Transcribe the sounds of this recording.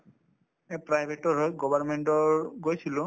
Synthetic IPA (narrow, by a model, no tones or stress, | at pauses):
epɹajbʱetɔɦɔjɡɔbʱaɹmeɳʈɔɹɡojsilʊ̃